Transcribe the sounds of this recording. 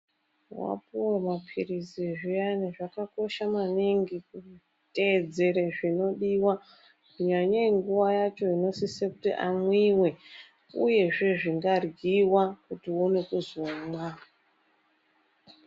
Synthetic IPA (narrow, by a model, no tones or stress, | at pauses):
wa̰puremapʰiriziʐijaneʐakako̞ʃamaniŋɡiku | te̞d͡ze̞ɾeʐino̞ɗiwa | kuɲaɲaiŋɡuʋajat͡ʃo̞ino̞sisekutḭʔamwiwe̞ | ṵje̞ʐe̞ʐiŋɡarɡiwakutionekuzomwa